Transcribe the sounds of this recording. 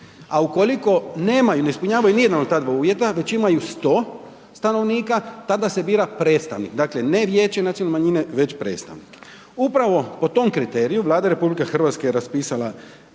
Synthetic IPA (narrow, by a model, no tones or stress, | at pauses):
auko̞liko̞neːmajune̞ispuɲaːʋajunijed̪anod̪t̪ad̪ʋauːʋje̞t̪aʋe̞t͡ɕimajust̪o̞ː | st̪ano̞ʋniːkat̪ad̪ase̞biːɾapɾe̞ːt̪st̪a̰ʋnikd̪aːkle̞ne̞ʋjeːt͡ɕenat̪iolnemaɲine̞ʋe̞t͡ɕpɾe̞̰ːt̪st̪a̰ʋnik | upɾaʋo̞po̞t̪o̞mkɾit̪e̞ːɾijuʋlˠaːd̪aɾe̞publikexr̩ʋat̪skejeɾaspiːsala